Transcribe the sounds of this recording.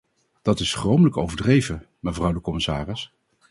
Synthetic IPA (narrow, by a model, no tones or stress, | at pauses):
d̥ɑtɪsχrowmələkowvəɹdrejvə | məvrʌwdəkɔmɪsaːrɪs